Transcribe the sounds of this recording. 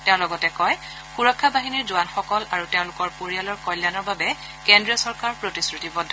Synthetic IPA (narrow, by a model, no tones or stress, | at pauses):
tɛʊ̃lɔɡɔtɛkɔj | xuɹɔkʰːabaɦiniɹzʊwanxɔkɔlaɹuteʊ̃lʊkɔɹpoɹialɔɹkɔjljanɔɹbabɛ | kendɹiɔsɔɹkaɹpɹotisɹutibɔdʱɔ